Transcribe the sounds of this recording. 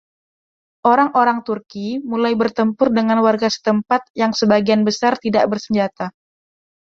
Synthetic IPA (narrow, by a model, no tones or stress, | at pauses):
ʔoɾaŋʔoɾaŋt̪urkimulajbərt̪əmpʊrdəŋanwarɡasə̥t̪əmpat̪̚jaŋsəbaɡianbəsart̪idaʔbərsəɲd͡ʒat̪a